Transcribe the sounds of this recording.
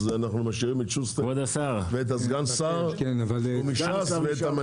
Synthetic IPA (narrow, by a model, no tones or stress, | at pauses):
zɛanaχnumaʃiʁimɪtʃustɔd̪asaʁveɛt̬asɡant͡ssaʁkɛnavalʊmɪʃasvɛɛtama